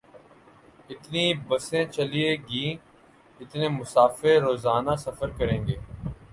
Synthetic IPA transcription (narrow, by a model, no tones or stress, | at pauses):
ɪt̪nibɐsẽt͡ʃɐlieɡiː | ɪt̪nẽmʊsaːfeɾɾoːzaːnasɐfəɾkɐɾẽːŋɡeː